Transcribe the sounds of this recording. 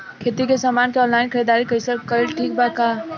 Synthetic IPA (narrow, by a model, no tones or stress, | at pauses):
kʰeːt̪ikesaːmaːnkeɔ̃ːnlaːɪnkʰəɾiːd̪aːɾikəɪsəɾkəɾʈʰiːk̚bakaː